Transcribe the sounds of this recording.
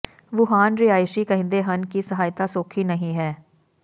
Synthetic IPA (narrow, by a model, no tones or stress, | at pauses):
ʋʊɦaːnɾiaːjɪʃikɐɦɪ̃nd̪eɦɐnkisɐɦaːjt̪asoːkʰinɐɦĩɦɛː